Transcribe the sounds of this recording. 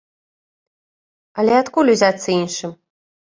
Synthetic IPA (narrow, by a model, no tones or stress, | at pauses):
alʲɛat̪kulʲuzʲat̪sːɐinʃɨm